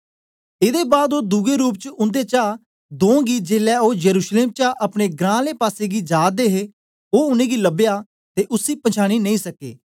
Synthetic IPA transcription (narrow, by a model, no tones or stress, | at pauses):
ɪd̪eːbaːd̪oːd̪ʊɡeːɾuːp̬̚t͡ʃəʊ̃nd̪eːt͡ʃaː | d̪õːɡiːd͡ʒeːlɛːoːjəɾuːʃleːmt͡ʃaːʔəpɽ̃eːɡɾãːleːpaːseːɡiːd͡ʒaːd̪eːɦeː | oːʊnẽːɡiːləbjaː | t̪eːʔʊsiːpət͡ʃʰaːɽ̃iːnəĩːsəkːḛː